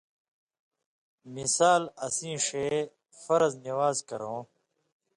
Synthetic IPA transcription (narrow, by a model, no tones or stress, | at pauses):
misaːlɐsĩːʂeː | fɐɾɐzniwaːzkɐ̰ɾõː